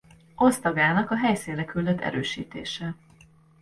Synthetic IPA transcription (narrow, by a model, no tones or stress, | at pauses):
ʔost̪ɒɡaːnɒkɒɦɛjsinrɛkyld̪øt̪ʰːɛ̰ɾøːʃḭːt̪ḛːʃɛ